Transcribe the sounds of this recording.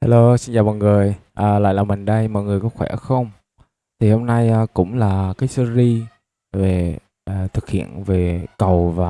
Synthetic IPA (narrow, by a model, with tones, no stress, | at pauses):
haː˧lo˧si˧nt͡ɕaː˨˩wɓaː˨˩nŋɨ˨˩əjʔəː˨˩la̰ː˧˨jlaː˨˩mï˨˩ŋɗə˧jmɔ̰˧˨ŋɨ˨˩əjkɔ˨˦xwɛ̰˧˩xə˧wŋ͡m | t̪ʰi˨˩ho˧mna˧jːkʊ̰˧˥ŋ͡mlaː˨˩kaː˨˦jsɨ˧zi˧ | ve˨˩ | ʔt̪ʰɨ˨˩k̚hḭ˧˨ənve˨˩kə˨˩wvaː˨˩